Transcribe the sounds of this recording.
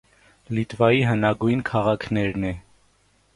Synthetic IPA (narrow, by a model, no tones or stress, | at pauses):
lit̪vɑjiɦənɑɡujnkʰɑʁɑkʰnɛɾnɛ